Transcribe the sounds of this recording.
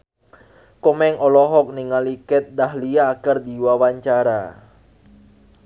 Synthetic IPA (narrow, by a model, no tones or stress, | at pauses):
kɔmɛŋʔɔlɔɦɔk̚niŋalikɪt̪̚dahliaːkərd̪iwawaɲt͡ʃaɾa̰